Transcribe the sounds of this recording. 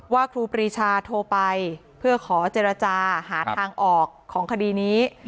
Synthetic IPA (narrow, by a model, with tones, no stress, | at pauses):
waː˥˩kʰɾuː˧pɾiː˧˩t͡ɕʰaː˧t̪ʰoː˧pa˧j | pʰɯ˥˩ɐkʰɔː˩˦t͡ɕeː˧ɾa˧t͡ɕaː˧haː˩˦aː˧ŋʔɔː˨˩kʰːɔː˩˦ŋkʰa˧diː˧niː˦˥